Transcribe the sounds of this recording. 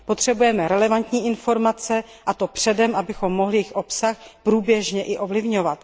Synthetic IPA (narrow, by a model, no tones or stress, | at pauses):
po̞t̪r̥ɛbujɛmɛɾɛlɛvant̪ɲiːʔɪnfo̞ɾmat͡sɛ | ʔat̪o̞pr̝̥ɛdɛmʔabɪxo̞mːoɦlɪjɪxʔo̞psaxpɾuːbjɛʒɲɛʔɪʔo̞vlɪvɲo̞vat̪